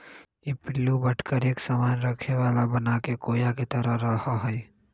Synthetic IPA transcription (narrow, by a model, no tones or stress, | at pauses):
ipɪlːubəʈʰkəɾeksamaːnɾəkʰeʋalabənakekoːjaket̪əɾəɾəɦəɦəj